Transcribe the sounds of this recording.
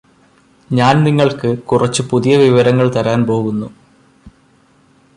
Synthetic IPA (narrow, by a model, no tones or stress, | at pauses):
ɲaːnniŋːɐɭkɨkurɐt͡ɕːɨpuðijɐʋiʋɐɾɐŋːɐɭt̪ɐɾaːnpo̞ːɣunːu